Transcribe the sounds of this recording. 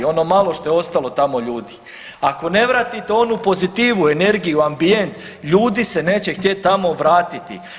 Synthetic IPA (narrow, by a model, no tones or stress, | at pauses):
o̞no̞malˠo̞ʃt̪o̞jeo̞st̪alo̞t̪amo̞ʎuːd̪i | ako̞ne̞ʋɾaːt̪it̪eo̞nupo̞zit̪iːʋue̞ne̞ɾɡijuambije̞nt̪ | ʎuːd̪ise̞ne̞ːt͡ɕe̞xt̪je̞t̪̚ːamo̞ʋɾaːt̪it̪ḭ